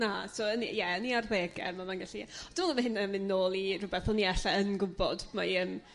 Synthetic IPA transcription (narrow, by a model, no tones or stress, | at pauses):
nasʰoənḭjɛəniarðeːɡɛ̰rmamanɡaɬiɛd̥ɪmulˠəmaɦɪnːamɨnːoːlˠirʊbɛθɔlˠniɛɬaənɡʊbɔ̰dma̰ən